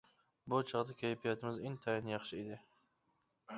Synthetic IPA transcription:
bʊt͡ʃʰɑʁd̪akʲʰejpʰijat̪ʰɪmɪzeŋt̪ʰajɪnjɑχʃɪed̪ɪ

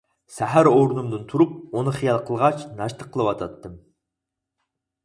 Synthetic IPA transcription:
sæɦæɾoɾɨnumd̪ɨnt̪ʰuɾup̚unɨχijɑlˠqʰəlˠʁɑt͡ʃnɑʃt̪əqʰəlˠəwɑt̪ʰɑt̪ːɨm

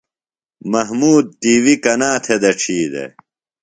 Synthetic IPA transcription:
mɐɦmuːd̪̚t̪iːwikɐnaːt̪ʰed̪ɐʈ͡ʂʰiːd̪ḛ

